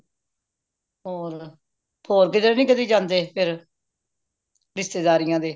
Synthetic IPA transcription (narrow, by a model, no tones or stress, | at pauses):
ɦoːɾ | hoːɾkɪt̪ɾnĩːkəd̪iːd͡ʒãːnd̪eːpʰɪɾ | ɾɪst̪eːd̪aːɾɪjãːd̪eː